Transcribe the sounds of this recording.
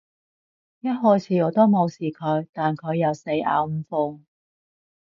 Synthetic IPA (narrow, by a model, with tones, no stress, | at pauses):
jɐ˥t̚ɦɔː˥jt͡sʰiː˨˧ɔː˨˧t̪o˥wmo˨˧wsiː˨kʰɵ˨˧ɥt̪aː˨˩nkʰɵ˨˧ɥːɐ˨˧wse˧ja̰ː˨˧wm̩˨˧fʊ˨˧ŋ